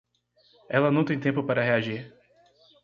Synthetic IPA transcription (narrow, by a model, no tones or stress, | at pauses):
ɛlɐnɐ̃w̃t̪ẽj̃t̪ẽmpʊpaɾɐɦeaʒiɾ